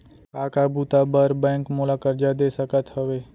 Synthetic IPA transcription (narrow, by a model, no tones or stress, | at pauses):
aːkabuːt̪abəɾbɛ̃ːŋkmoːlaːkəɾd͡ʒad̪eːsəkət̪ɦəʋeː